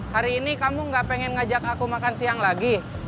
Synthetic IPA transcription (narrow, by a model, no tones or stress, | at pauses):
haɾiːnikamuŋɡaʔpɛŋɛnŋad͡ʒakakumakansiaŋlaɡi